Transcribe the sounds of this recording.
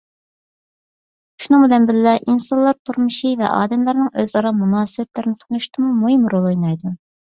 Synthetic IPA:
ʃunɨŋbɪd̪ɛnbɪlːɛʔinsɑnlˠɑɾt̪ʰuɾmuʃivɛ̰ʔɑ̰ːd̪ɛmlˠɨɾnɨŋøzɑɾɑmunɑːsɨbɛt̪lɪɾɪnɪt̪ʰʊnuʃt̪ɨmumuɦɪmɾolˠojnɑjd̪u

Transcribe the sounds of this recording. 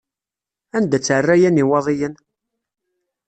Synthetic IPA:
ænd̪æt͡sːʕərːæjæniwɑðˤijən

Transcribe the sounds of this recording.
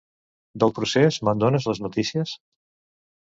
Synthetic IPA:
d̪əlˠpɾusezmənd̪onəzləznut̪isiəs

